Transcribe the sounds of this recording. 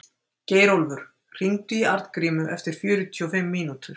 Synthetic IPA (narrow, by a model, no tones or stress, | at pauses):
ceːjɾowlvʏɾ̥ | r̥iŋt̪ʏiaɾt̪kɾiːmʏʔɛft̪ɪɾ̥fjʏːɾʏt̪ʰiɔfɪmːiːnut̪ʏɾ̥